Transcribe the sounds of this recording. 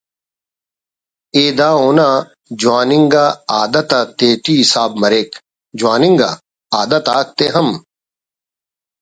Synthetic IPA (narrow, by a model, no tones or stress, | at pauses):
eːd̪aːoːnaː | d͡ʑwaːniŋɡaːaːd̪ɐt̪aːt̪eːʈiːsaːb̚mɐɾeːk | d͡ʑuwaːniŋɡa̰ː | aːd̪ɐt̪aːt̪eɦɐm